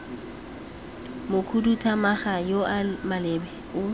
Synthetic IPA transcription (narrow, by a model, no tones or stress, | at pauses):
mʊkʰudutʰamaχajoʔamalɛbɛ | ʊ